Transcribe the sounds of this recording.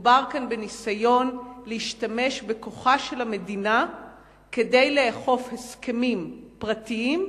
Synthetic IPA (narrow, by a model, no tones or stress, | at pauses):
baʁkanbe̞nisajo̞nleiʃtame̞ʃbe̞ko̞χaʃe̞lame̞dina | ke̞de̞jleːχo̞fheskemimpʁatiim